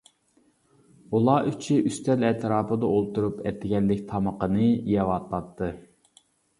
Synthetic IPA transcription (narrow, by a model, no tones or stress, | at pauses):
ulˠɑːʔyt͡ʃʰiʔyst̪ʰɛlɛt̪ʰɾɑːpɨd̪ɑolˠt̪uɾupʰɛ̰t̪ʰːɪɡʲɛlːɪkʲt̪ʰɑməqənɨjɑwɑt̪ʰlˠɑt̪ʰːɨ